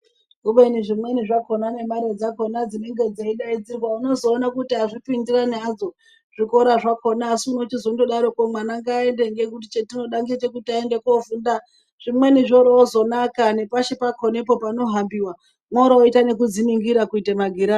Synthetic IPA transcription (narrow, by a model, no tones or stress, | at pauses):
uɓeniʐimwe̞niʐako̞nane̞maɾed͡zako̞nad͡zine̞ŋɡe̞d͡zeiɗaid͡zirwauno̞zo̞ːnakutiaʐipindiranad͡zo̞ | ʐ̥iko̞ɾaʐakonaːsiunot͡ʃizondoɗaɾo̞komanaŋɡaːe̞nde̞ŋɡe̞kut̬it͡ʃetino̞ɗaŋɡit͡ʃe̞kutiaende̞kofunda | ʐ̥imwe̞niʐoɾoozo̞nakane̞paʃipakʰonepo̞pano̞ɦambiwa | mwaɾooitane̞kud͡ziniŋɡiɾakuitemaɡʱiɾa